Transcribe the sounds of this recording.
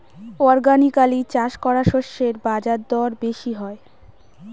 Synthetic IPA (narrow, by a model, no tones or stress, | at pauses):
ɔɾɡanikalit͡ɕaʃkɔɾaʃoʃːeɾbad͡ʑaɾd̪ɔɾbeʃiɦɔe